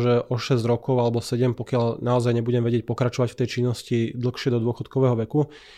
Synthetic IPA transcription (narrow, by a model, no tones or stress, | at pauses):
ʒɛʔɔʃɛzɟɾɔkɔʊalɛbɔsɛɟɛmpɔkɪaʎnaɔzajɲɛbuɟɛmʋɛɟɪɛc̚pɔkɾat͡ʃɔʋacft̪ɛjt͡ʃinːɔscid̪l̩xʃɪɛd̪ɔd̪ʊɔxɔt̪kɔʋɛːɦɔʋɛku